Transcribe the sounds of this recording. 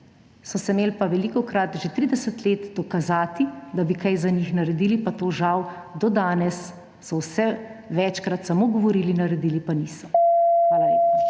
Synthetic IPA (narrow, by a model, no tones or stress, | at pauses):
sɔsɛmeːlpaʋɛliːkɔkɾat̪ʒet̪ɾiːd̪ɛsət̪leːt̪d̪ɔkazaːt̪id̪abikajzanixnaɾɛd̪iːlipat̪oːʒaw | d̪ɔd̪aːnɛsː | ɔwsɛʋɛt͡ʃkɾat̪samoɡɔʋɔɾiːlinɐɾɛd̪iːlipaniːsɔxʋaːlalep